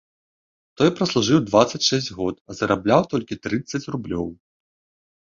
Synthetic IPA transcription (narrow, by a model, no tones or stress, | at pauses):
t̪ɔjpɾɐslˠuʐɨwd̪vat̪sːɐt͡sʲʂɛsʲd͡zʲɣɔt̪ɐzɐɾablʲawt̪ɔlʲkʲit̪ɾɨt̪sːɐt͡sʲrublʲɔw